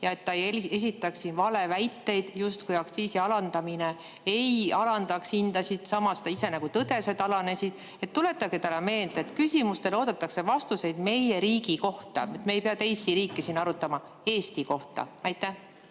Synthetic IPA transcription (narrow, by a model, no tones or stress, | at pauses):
jɑe̞t̪ːɑje̞s̬ʲit̪ːˑɑksːinvɑle̞væjt̪ːe̞jd̪̥just̪kujɑkt̪siːsiɑlɑnd̪̥ɑmine | e̞jɑlɑnd̪̥ɑksind̪̥ɑsid̪̥sɑmɑst̪ɑise̞næɡ̥ut̪ɤd̪̥e̞se̞d̪ɑlɑne̞sid̪̥ | e̞t̪ːule̞t̪ːˑɑɡet̪ælɑme̞ːld̪̥et̪ˑkysimust̪e̞lo̞ːd̪̥ɑt̪ːˑɑkse̞vɑst̪use̞jd̪̥me̞je̞ɾiːɡ̥iko̞ht̪ɑ̰myt̪meejpeɑt̪e̞jsiɾiːkˑːesiːnːɑɾut̪ːˑɑmɑ | e̞ːst̪iko̞ht̪ɑ̰ɑjt̪ːˑæh